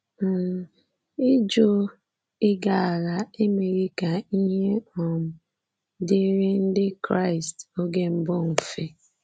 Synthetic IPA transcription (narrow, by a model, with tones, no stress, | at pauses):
ɪ˦d͡ʒo˦ | ɪ˦ɡa˨a˨la˨e˦me˨ɾi˦ka˨i˦ɦe˦ɔ˨m̩˨ | de˦ɾe˦n̩˦dɪ˦kɾa˦˨ɪ˨sto˦ɡe˦m̩˦bʊ˦ŋ̩˨fe˦